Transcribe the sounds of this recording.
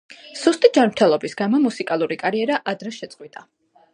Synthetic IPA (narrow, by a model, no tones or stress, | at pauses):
sust̪ʼid͡ʒanɾt̪ʰɛlˠɔbisɡamɔmusikʼalˠuɾikʼaɾiɛɾaʔad̪ɾɛʃɛt̪sʼqʼwit̪ʼa